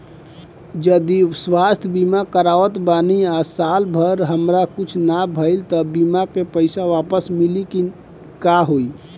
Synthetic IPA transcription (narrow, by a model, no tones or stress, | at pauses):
d͡ʒəd̪iswast̪ʰbimakəɾawət̪baniasalbʱəɾɦəmɾakut͡ʃʰnabʱəɪlt̪əbimakepəɪsaʋapəsmiliki | kaɦoi